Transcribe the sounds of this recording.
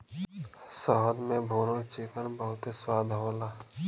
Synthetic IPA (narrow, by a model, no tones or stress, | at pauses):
sɔɦəd̪mẽbʱoːɾõt͡ʃɪkənbəɦʊt̪eswaːd̪ʱɦoːlaː